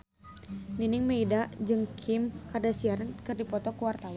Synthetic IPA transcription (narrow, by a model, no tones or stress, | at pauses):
ninɪŋmeidaʔd͡ʒɨŋkʰɪmkardasiaɾankɨrdipɔt̪ɔkuwart̪awa